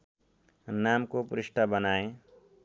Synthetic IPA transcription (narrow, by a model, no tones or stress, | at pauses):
naːmkopɾɪʃʈʰabənaːẽ